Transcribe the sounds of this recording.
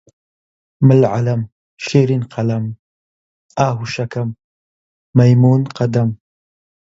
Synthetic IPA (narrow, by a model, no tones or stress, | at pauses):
məlʕalɐm | ʃeɾinqʰalam | aːɦuʃakamː | ajmuːnqad̪am